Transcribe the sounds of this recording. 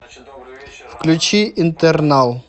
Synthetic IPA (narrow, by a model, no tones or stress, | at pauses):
fklʲut͡ʃiint̪ɛɾnalˠ